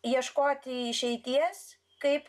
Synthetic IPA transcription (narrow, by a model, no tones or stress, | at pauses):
jiɛʃkoːt̪ʲɪɪʃʲɛɪt̪ʲiɛs | kɐɪp